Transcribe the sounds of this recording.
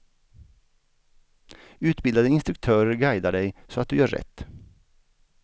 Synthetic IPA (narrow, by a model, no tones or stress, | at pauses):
ʉːt̪bɪld̪ɑd̪əɪnst̪ɾʉk̚t̪ʰøːɾəɡæɪd̪əɖeɪsoːɑt̪̚ʉːjøːɾɛ̰t̪